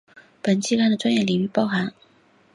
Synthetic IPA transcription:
pə˨˩nt͡ɕi˥ka˥˩nd̪ə˩ʈ͡ʂwa˥njɛ˥˩li˨˩y˥˩pɑ˥˩ʊxa˧˥n

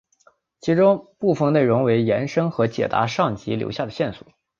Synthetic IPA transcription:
t͡ɕʰi˧˥ʈ͡ʂʊ˥ŋpu˥˩fə˧ŋne˥˩ɪɻʊ˧˥ŋwe˧˥ɪjɛ˧˥nʂɤ˥ŋxɤ˧˥t͡ɕjɛ̰˨˩t̪a̰˧˥ʂɑ˥˩ŋt͡ɕi˧˥ljo̰˧˥ʊɕja˥˩d̪ə˩ɕjɛ˥˩nswɔ̥̰˨˩˦

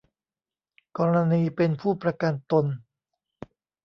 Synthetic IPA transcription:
kɔː˧ɾa˧niː˧pe˧npʰuː˥˩pɾa˧ka˧nt̪o˧n

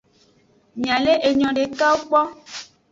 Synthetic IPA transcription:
mĩ˨ã˨le˦ʔe˨ɲɔ̃˨ɖe˨˦ka˦wo˦k͡pɔ˦

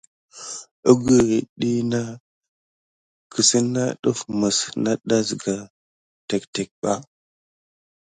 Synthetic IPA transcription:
ə˦ɡə˨ɾi˨ɗi˦na˦ | kʰə˨si˦na˦ɗu˦fmə˨sna˦ɗa˦sɡa˨ | te˨kte˨k̚ɓa˦

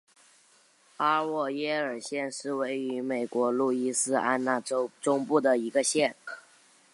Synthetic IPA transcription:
a˥wɔ˥˩jɛ˥ə˞˨˩ɕjɛ˥˧nʂɻ̩˥˧we˥˩ɪy˧˥me˨˩ɪkwɔ˧˥lu˥˩i˥sɹ̩˥a̰˥nna˥˩o˥ʈ͡ʂʊ˥ŋpu˥˩d̪ə˩i˧˥ɡə˧ɕjɛ˥˩n

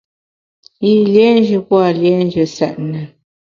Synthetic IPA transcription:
i˦lje˨˦n˦d͡ʒə˨kwa˦˨lje˨˦nd͡ʒə˨sɛ˨ʔnə˨

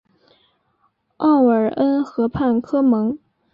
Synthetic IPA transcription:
ɑ˥˩ʊə˞˨˩ə˥nxɤ˧˥pʰa˥˩nkʰɤ˥mɤ˧˥ŋ

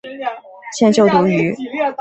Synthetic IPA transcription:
ɕjɛ˥˧nt͡ɕjo˥˩ʊt̪u˧˥y˧˥

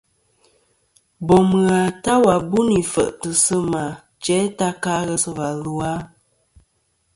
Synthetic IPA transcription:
bɔ˨m˨ɣa˨ta˦wa˨bu˦ni˨fə̰˨ʔtə˨sə˦ma˨ | t͡ʃɛ˨˦ta˦ka˦ɣə˦sə˦va˨lu˨a˦

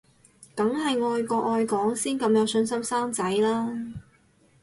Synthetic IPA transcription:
kɐ˨˥ŋɦɐ˨jŋɔː˧jkɔː˧ʔɔː˧jkɔː˨˥ŋsiː˥nkɐ˧mjɐ˨˧wsɵ˧nsɐ˥msaː˥ŋt͡sɐ˨˥jlaː˥

